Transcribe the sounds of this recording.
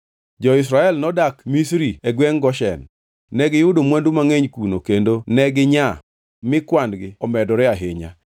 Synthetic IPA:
d͡ʒɔɪs̬ɾaɛlnɔdakmisɾiɛɡwɛŋɡɔʃɛ̰nː | ɛɡɪjʊdomwandumaŋeɲkunokendonɛɡɪɲa | mɪkwandɡɪɔmɛdɔɾɛaɦeɲa̰

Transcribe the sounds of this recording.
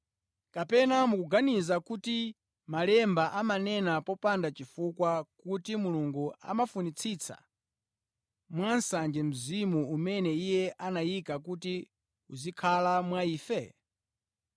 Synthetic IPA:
kapɛnamukuɡanizakuti | malɛmbaʔamanɛnapɔpandat͡ʃifukwakutimuluŋɡua̰mafunit͡sʰit͡sʰa̰ | mwansand͡ʒɛm̩zimuumɛnɛijɛʔanajikak̬uti | uzikʰalamwaiːfɛ

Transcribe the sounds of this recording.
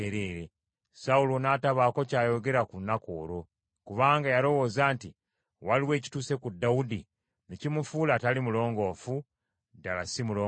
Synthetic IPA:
eɾeɾe | saulonaːtaβaːko̞caːjo̞ɡe̞ɾakunːako̞ːɾo̞ | kuβaːŋɡajalo̞wo̞ːzaːnti | waliwe̞ːci̥tuːse̞kudawudi | nicimufuːlatalimulo̞ːŋɡo̞ːfu | dalasimuloː

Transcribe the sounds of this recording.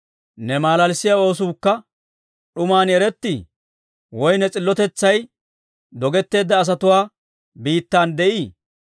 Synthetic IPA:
nɛmaːlɐlsɪjao̞ːs̬uːkːɐ | ɗʊmaːnjɛɾɛt̪ːi | wɔjnɛt͡sʼɪlːɔt̪ɛt͡sːɐj | d̪ɔɡɛt̪ːe̞ːd̪ːɐːs̬ɐt̪ʊwaː | biːt̪ːaːnd̪ɛʔiː

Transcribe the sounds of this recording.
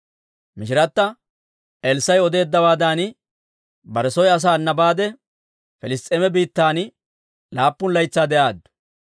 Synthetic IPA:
mɪʃɪɾɐt̪ːɐ | ʔɛlsɐjɔd̪e̞ːd̪ːɐwaːd̪aːnɪ | bɐɾɛsɔjɐs̬aːnːɐbaːd̪ɛ | fɛlɪst̪ʼeːmɛbiːt̪ːaːn | laːpːʊnlɐjt͡sːaːd̪ɛʔaːd̪ʊ̥

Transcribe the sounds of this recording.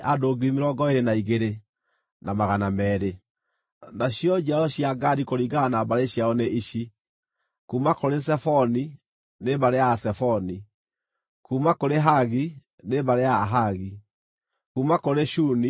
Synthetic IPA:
adoːɡimeɾɔɡɔeɾenaiɣeɾe | namaɣanamɛːɾe | naɕjɔd͡ʒaɔɕiaɡaɾikoɾiːɡanabaɾeɕjaɔneʔiɕi | kuːmakoɾes̬ɛfɔni | nebaɾeasɛfɔni | kuːmakoɾeɦaɣi | nebaɾeaɦaɣi | kuːmakoɾeʃuni

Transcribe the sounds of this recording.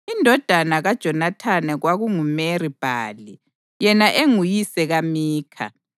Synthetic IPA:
indʱɔd̥ʱanaɣad̥ʒ̥ʱɔnatʰanɛɣwaɣuŋumerib̥ʱa̰ːli | jɛnaʔeŋujisɛɣamiːkʰa̰

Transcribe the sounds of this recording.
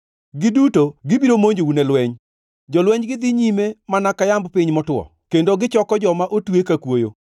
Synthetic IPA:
ɡɪdutoɡɪbiɾomoɲd͡ʒounɛlwɛɲ | d͡ʒɔlwɛɲɡɪd̪iɲimemanakajambpɪɲmɔtwɔ̰ | kendoɡɪt͡ʃɔkɔd͡ʒɔmaʔotwekakwojo

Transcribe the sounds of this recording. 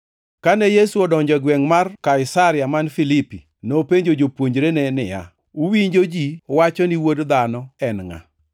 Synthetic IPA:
kanɛjesuɔdɔɲd͡ʒɔɡwɛŋmarkaɪsaɾɪjamanfilipi | nopeɲd͡ʒod͡ʒopwoɲd͡ʒɾenɛnɪja̰ | uwiɲd͡ʒod͡ʒiwat͡ʃɔniwodd̪anɔɛnŋa̰

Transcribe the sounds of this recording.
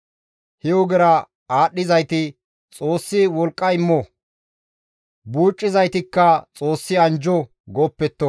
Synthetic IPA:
hɛwɔɡɛɾɐ | aːɗːɪzɐjt̪ɪ | t͡sʼo̞ːsːɪwɔlkʼːɐɪmːɔ | buːt͡ʃʼːɪzɐjt̪ɪkːɐt͡sʼoːsːɪɐnd͡ʒɔ | ɡɔːpːɛt̪ːɔ

